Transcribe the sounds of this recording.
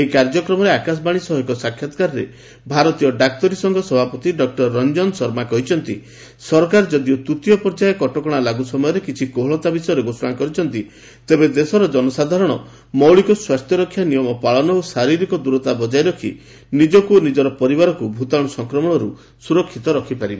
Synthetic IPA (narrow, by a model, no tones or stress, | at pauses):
eɦikaɾd͡ʒɔkɾɔmɔɾeakas̬ɔbaɽ̃isɔɦɔkɔsakʰːjat̪kaɾɔɾḛ | bʱaɾɔt̪ijɔɖak̚t̪ɔɾisɔŋɡɔsɔbʱapɔt̪iɖɔk̚ʈɔɾːɔnd͡ʒɔnsɔɾmakɔɦit͡ʃʰɔnt̪ḭ | sɔɾɔkaɾd͡ʒɔd̪iɔt̪ut̪ijɔpɔɾd͡ʒaekɔʈɔkɔɽ̃alaɡusɔmɔjɔɾekit͡ʃʰikoɦɔɭɔt̪abisɔjɔɾeɡosɔɽ̃akɔɾit͡ʃʰɔnt̪i | t̪ebed̪esɔɾɔd͡ʒɔnɔsad̪ʱaɾɔɽ̃ɔ | mɔwɭikɔswast̪ʰjɔɾɔkʰːjanijɔmɔpaɭɔnɔosaɾiɾikɔd̪uɾɔt̪abɔd͡ʒajɾɔkʰi | nid͡ʒɔkuonid͡ʒɔɾɔpɔɾibaɾɔkubʱut̪aɽ̃ɔsɔŋkɾɔmɔɽ̃ɔɾu | suɾɔkʰːit̪ɔɾɔkʰipaɾibe